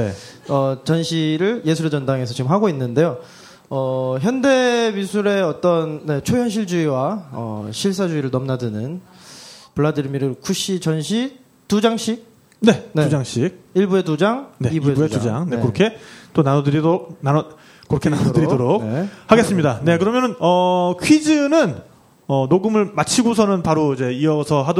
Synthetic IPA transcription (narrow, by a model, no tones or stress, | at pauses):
e̞ | ʌt͡ɕʌnɕʰiɾɯɭje̞sʰuɾe̞d͡ʑʌndaŋe̞sʰʌt͡ɕiɯmɦaɡoinːɯnde̞jo | ʌçjʌnde̞misʰuɾe̞ʌt͈ʌnːe̞t͡ɕʰoçjʌnɕʰiɭd͡ʑuiwaʌ̰ɕʰiɭs͈ad͡ʑuiɾɯɭnʌmnadɯnɯn | pɯɭːadɯɾmiɾɯkʰuɕ͈it͡ɕʌnɕʰi | tud͡ʑaŋɕ͈ʰi | ne̞nud͡ʑaŋɕ͈ʰik̚iɭbue̞tud͡ʑaŋne̞ibueetud͡ʑaŋnekɯɾʌkʰe̞t͈onanodɯɾidook̚nan | kːɯɾʌkʰenanodɯɾidoɾokehaɡe̞s͈ɯmɲidane̞kɯɾʌmjʌnɯnʌkʰɥid͡ʑɯnɯn | ʌnoɡɯmɯɭmat͡ɕʰiɡos̬ʰʌnɯnpaɾoid͡ʑe̞iʌsʰʌɦad